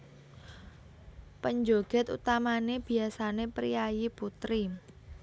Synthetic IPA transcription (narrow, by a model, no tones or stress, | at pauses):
pəɲd͡ʒoɡ̥ɛ̤t̪ṵt̪amaneb̥i̤asanepɾḭjajiput̪ɾi